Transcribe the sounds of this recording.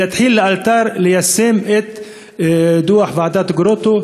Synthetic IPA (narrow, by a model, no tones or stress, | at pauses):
ɪt̪ħiːlːʔalt̪ɑːɾˤlɪjasːeːmʔɪt̪ | d̪uːaħvaʕd̪aːt̪ɡɾot̪o